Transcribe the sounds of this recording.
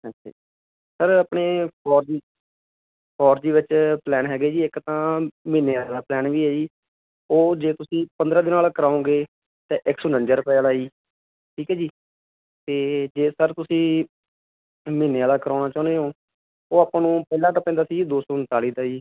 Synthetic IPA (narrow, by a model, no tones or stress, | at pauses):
ətʃʰa̰ːd͡ʒi | səɾaːpɳeːpʰɔːɾd͡ʒiː | pʰɔːɾd͡ʒiːʋɪt͡ʃplɛːnɦɛːɡeːd͡ʒiːɪkt̪ãːmɪːneaːlaːd̪aːplɛːnʋiːɦɛːd͡ʒiː | oːd͡ʒeːt̪ʊsĩːpənd̪ɾãːd̪ɪnaːlaːkəɾaːõːɡeː | t̪eːʔɪksʊnənd͡ʒəɾpɛːlaːiː | ʈʰiːkɛːd͡ʒiː | t̪eːd͡ʒeːsəɾt̪ʊsĩː | mɪːneaːlaːkəɾaːʊnaːt͡ʃaːʊneːɦoː | oːaːpãːnũːpɛːlãːt̪aːpɛ̃ːnd̪aːsiːd̪oːsɔːɦʊnt̪aːliːt̪aːiː